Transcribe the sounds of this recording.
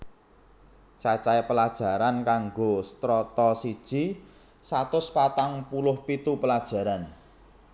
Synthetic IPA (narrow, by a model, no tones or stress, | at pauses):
t͡ʃat͡ʃaepəlad̥ʒ̥a̤ɾankaŋɡost̪ɾɔt̪ɔsid̥ʒ̥i̤ | sat̪ʊspat̪aŋpulʊhpit̪upəlad̥ʒ̥a̤ɾan